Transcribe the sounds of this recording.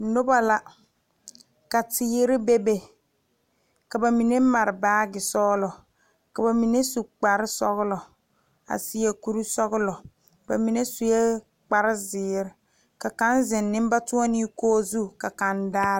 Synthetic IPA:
nʊ˦ba˨la˦ | ka˨tɪ˨˦ɾɪ˦be˦be˦ | ka˨ba˨mi˨ne˦ma˨ɾɪ˨baː˦ɡɪ˨sɔː˦lɔ˨ | ka˨ba˨mi˨ne˦su˨k͡pa˨ɾɪ˦sɔ˦ɣlɔ˨ | a̰˨si˦e˨ku˦ɾu˦sɔ˦ɡʊ˦lɔ˨ | ba̰˨mi˨ne˦su˨je˦ | k͡pa˨ɾɪ˦zɪː˨˦ɾɪ˨ | ka˨ka˦nzɪ˨nːɪ̃˦m˦ba˦tu˦ɔ˦nɪ˦koː˦zu˦ka˨ka˨ndaː˦

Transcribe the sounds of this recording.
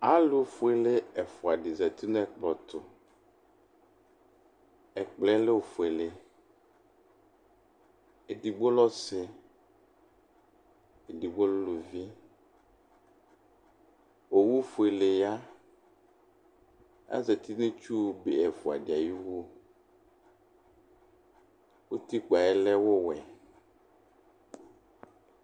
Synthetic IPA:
a˦lo˨˦fu˨e˨le˦ɛ˨fo˨a˨ɖi˨zɛ˨t̪u˦n˦e˦k͡plɔ˨t̪ʊ˨ | e˨k͡ple˦le˦wo˨fu˨e˨le˨ | e˨di˨ɡ͡bo˦lɔ˦se˨ | e˨di˨ɡ͡bo˦llo˨vi˦ | wo˨wu˦fu˨e˨le˨ja˦ | a̰˦ze˨t̪i˦nẽ˦t͡ʃu˦˨be˨ɛ˨fu˨a̰˨ɖi˨a˨ji˦wu˦ | wo˦t̪i˦k͡pa˨ɛ˦lɛ˦wo˦wɛ˨

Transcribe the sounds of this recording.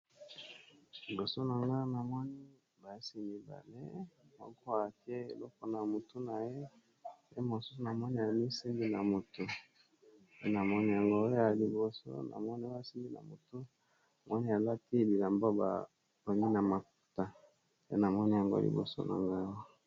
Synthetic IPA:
li˨bo˨so˦na˨ŋɡa˦na˨mɔ˦ni˦ | ba˨˦si˦mi˨ba̰˨le˦mɔ̰˦ko˦a˨ke˦e˨lɔ˦kɔ˦na˨mo˨tu˦na˨je˦ | pe˦mo˨su̥˦su˨na˨mɔ˦ni˦ja˨mi˦si˦ŋɡi˦na˨mo˨to˨ | pe˦na˨mɔ˦ni˦ja˨ŋɡo˦a˨li˨bo˨so̰˦na̰˨mɔ˦ni˦a˦si˦ŋɡi˦na̰˨mo˨tu˦˨ | mwɔ˦ni˦ja˨la˦ti˦bi˨la˨mbo˦ba̰˨ | pa˨ŋi˦na˨ma˨ku̥˨ta˦ | je˦na˨mɔ˦ni˦ja˨ŋɡo̰˦lḭ˨bo̰˨so̰˦na̰˨ŋɡa˦wa˦

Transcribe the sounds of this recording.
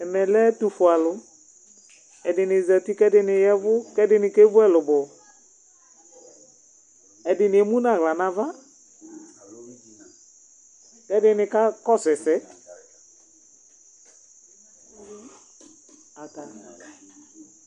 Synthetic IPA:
ɛ˨mɛ˨lɛ˦tu˨fʊ˨a˨lʊ˨˦ | ɛ˨dɪ˨nɪ˨za˨ti˦kɛ˦dɪ˦nɪ˨jɛ˦vʊ˦kɛ˦dɪ˨nɪ˨ke˦vʊ˦ɛ˦lʊ˨bɔ˨ | ɛ˨dɪ˨nɪ˨mũ˦na˨ɣla˨na˦va˦ | kɛ˦dɪ˦nɪ˨ka˦kɔ˦sɛ˨sɛ˨˦ | a˨ka˨

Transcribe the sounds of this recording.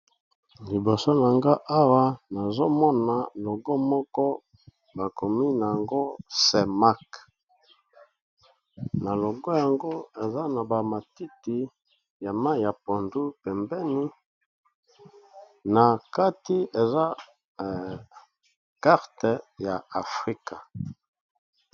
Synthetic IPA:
li˨bo˨so˦na˨ŋɡa˦ʔa˦wa˦na˨zo˦mɔ˦na˨lo˨ɡɔ˦mɔ˦kɔ˦ | ba˨ko˨mi˦na˨ja˨ŋɡo˦se˨ma˦k | na˨lo˨ɡɔ˦ja˨ŋɡo˦e˨za˦na˨ba˨ma˨ti˦ti˨ | ja˨ma˦˨ja˨po˨ndu˦pɛ˨mbɛ˦ni˦ | na˨ka˦ti˦e˨za˦ | ka˦ʁte˨ja˨a˨fʁi˦ka˨

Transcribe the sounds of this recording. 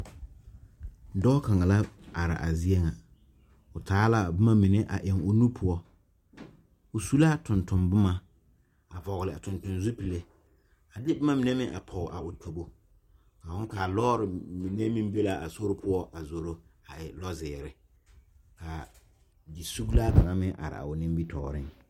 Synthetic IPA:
dɔː˦ka˨ŋa˨la˦a˨ɾɪ̰˨ʔa˨zi˦ɛ˦ŋa˨ | ʊ˨taː˦la˦bʊ˦ma˦mi˨ne˦ʔa˨ʔɪ˨ŋʊ˨nu˦pʰʊ˦ɔ˦ | ʊ˨su˦la˦tʊ˨ntʊ˨mbʊ˦ma˦ | a˨vɔ˨ɣlɪ˨a˨tʊ˨ntʊ˨nzu˦pi˨le˦ | a˨dɪ˦bɪ˦ma˦mi˨ne˦mɪ˦ŋʔa̰˨pʰɔ˨ʔa˨ʊ˨tʰo˨bo˨ | a˨wʊ˦ŋ˦kaː˨lɔː˦ɾɪ˨mi˨ne˦mĩ˦m˦be˦la˦ʔa˨so˦ɾɪ˦pʰʊ˦ɔ˦ʔa˨zo˨ɾo˦a˨ʔɪ˨lɔ˦zɪː˨ɾɪ˨ | ka˨ | di˨su˦ɡla˦ka˨ŋa˦mɪ̃˦ʔa̰˨ɾɪ̰˨a̰˨ʊ˨nɪ˦mbi˦tʰɔ̰ː˨ɾɪ˦ŋ

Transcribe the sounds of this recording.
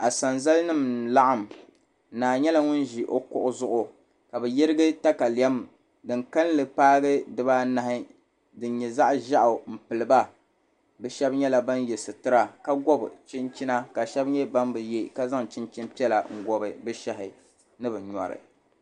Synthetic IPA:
a˨sa˨nza˦lɨ˦nɨ˦˨mla˦ʔa˦m˨ | naː˨ɲɛ˦la˦ŋʊ˦n˦ʒi˨ʔo˦kʊ˦ʔʊ˦zʊ˦ʔʊ˨ | ka˨bɛ˨jɪ˦ɾɨ˦ɡɨ˦ta˦ka˨li˨ɛ˦m | dɨ˨ŋka˦n˦lɨ˨paː˦ɡɨ˦dɨ˦ba˦na˦hɪ˦ | dɨ˨nɲɛ˨za˦ʔʒa˦ʔʊ˨m̩˨pɨ˨lɨ˨ba˦ | bɨ˨ʃɛ˦bɲɛ˦la˨ba˦njɛ˨sɨ˨tɨ˦ɾa˨ka˦ɡɔ˦bt͡ʃɪ˦nt͡ʃi˦na˦ka˨ʃɛ˦bɲɛ˦ba˦mbɨ˨je˦ka˦za˦ŋt͡ʃɪ˦nt͡ʃi˦n˦pi˦ɛ˦la˨ŋ̩˦ɡɔ˦bɨ˨bɨ˦ʃɛ˦ɦɪ˨ | nɨ˦bɨ˨ɲɔ̰˨ɾɨ̰˨

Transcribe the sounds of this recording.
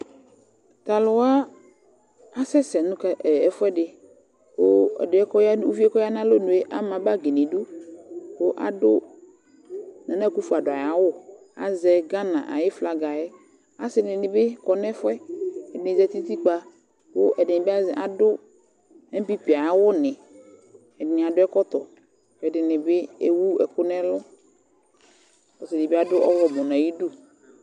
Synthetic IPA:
t̪a˨lʊ˨wa˦ | a˦sɛ˦sɛ˨nũ˦kɛ˨fɛ˦ɖɪ˨ | ko˦ɛ̰˨de˨˦ɛ˦kɔ˦ja˦wo˦vi˦e˦kɔ˦ja˦nã˦lo˦nũ˨e˦ʔa˦mã˨ba˦ɡe˨nĩ˨ɖu˦ko˦ʔa̰˨dʊ˦ | nã˨nɛ˦ku˦fu˨a˨ɖʊ˨a˨ja˨wʊ˦ | a̰˨zɛ˨ɡa˦nã̰˨ʔa̰˨jɪ˦fla˨ɡa˨ɛ˦ | a˦sɪ˦nɪ̃˨nɪ̃˨be˦kɔ˦nɛ̃˦fʊ˦ɛ˦ɛ˨dɪ˨nɪ̃˨zɛ˨t̪i˦t̪i˦k͡pa˦ | wo˦ʔɛ˨dɪ˨nɪ̃˨be˦a˦zɛ˨ʔa˨dʊ˦ | ɛ˦bi˦pi˨a˨ja˨wʊ˦nɪ̃˨ | ɛ˨ɪ˨nɪ̃˨a˨dʊ˦ɛ˦kɔ˦t̪ɔ˨ | ɛ˨dɪ˨nɪ̃˨be˦e˦wu˦ɛ˨kʊ˦nɛ̃˦lɔ˦ | kɔ˨sɪ˨dɪ˨be˦a˦dʊ˦ʔɔ˦wɔ˨mɔ̃˨nã˨ji˦du˦

